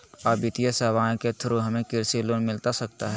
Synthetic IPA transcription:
abɪt̪ijəsɛːʋaːẽket̪ʰʊɾoɦɐmẽkɪɾsiloːnmɪlt̪asɐk̚t̪aɦɛː

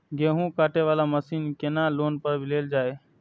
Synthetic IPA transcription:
ɡeːɦũːkaːʈeːʋaːlaːməsiːnkeːnãːloːnpəɾbʱileːld͡ʒaːeː

